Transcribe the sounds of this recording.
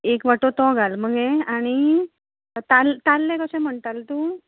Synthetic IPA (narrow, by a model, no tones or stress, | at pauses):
ekʋaʈot̪ɔɡalm̤əɡẽaɽ̃i | t̪alt̪alːẽkəɕɛ̃m̤əɳt̪alt̪uː